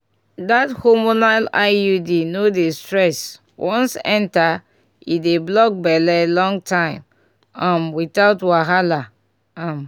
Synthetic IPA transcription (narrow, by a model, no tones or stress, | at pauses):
dathomonalaɪjudinodestɹɛs | wʔɔ̃nsɛ̃nta | ideblɔk̚bɛlɛlɔ̃ŋtʰãɪ̃m | ãnwiθaʊtwaɦala | ãm